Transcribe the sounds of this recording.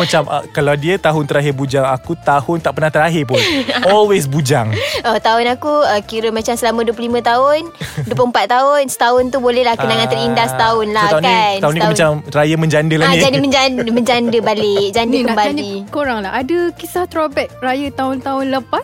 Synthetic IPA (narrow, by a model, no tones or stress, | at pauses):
mat͡ʃamʔəkaladiət̪aɦʊnt̪əɾaɦɪrbud͡ʒaŋakut̪ahʊnt̪aʔpərnaht̪əɾaɦɪrpʊnɔlwes̬bud͡ʒaŋɔt̪aʊnakuəkiɾəmat͡ʃamsəlamə̃duəp̬ləlimə̃t̪aʊnduəp̬uəmpat̪ːaʊnsə̥t̪aʊnt̪ubolɛlahkənaŋãnt̪əɾindast̪aʊnlaakanaunikmat͡ʃamrajəmə̃ɲd͡ʒandəlad͡ʒadiməɲd͡ʒandməɲd͡ʒandəbalɪd͡ʒandəkəmbalikoɾaŋlaɦadəkisaht̪ɾobɛt̚rajət̪aʊnt̪aʊnləpas